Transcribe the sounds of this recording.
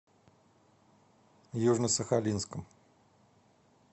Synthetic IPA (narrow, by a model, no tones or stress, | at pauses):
juʐnəsəxalʲinskəm